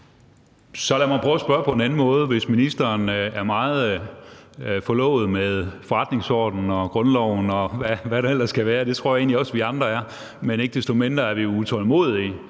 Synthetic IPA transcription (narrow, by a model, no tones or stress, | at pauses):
sɒ̽læmænpʰʁœʊæsb̥ɶɐpʰɒ̽enæn̩mɔ̽ːð̞ˠʋe̝sminisd̥ɐːnæɐmɑ̈ːð̩ˠ | fɒ̽lɔ̰ʊ̰ð̩ˠmeðˠfɒʁɑ̈d̥ne̝ŋsɒ̰ːd̥n̩ɒ̽ɡ̥ʁɔ̽nlɒʊ̰nɒ̽ʋæʋæɾɑ̈elɐsɡ̥æʋæːɐd̥e̝t͡sʰʁo̝ɐ̰jɑe̝̰ːnliɒ̽sʋiɑ̈nd̥ʁɐæɐ | mene̝ɡ̥̚d̥e̝sd̥o̝me̝nd̥ʁɐæɐʋiout͡sʰɒlmo̝̰ðˠi